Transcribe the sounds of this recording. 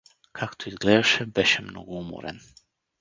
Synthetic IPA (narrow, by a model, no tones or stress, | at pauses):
kʰakt̪ʰoizɡlɛd̪aʃɛbɛʃɛmno̰ɡoumɔ̰ɾɛ̰n